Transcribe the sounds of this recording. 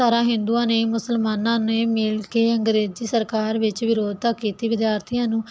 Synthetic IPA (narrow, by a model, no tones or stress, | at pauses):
aːɾãːɦɪ̃nd̪uːãːneːmʊsəlmaːnãːneːmɪlkeːə̃ŋɡɾeːziːsəɾkaːɾʋɪt͡ʃʋɪɾoːd̪̚t̪aːkeːt̪iːʋɪd̪jaːɾt̪ʰijãːnũː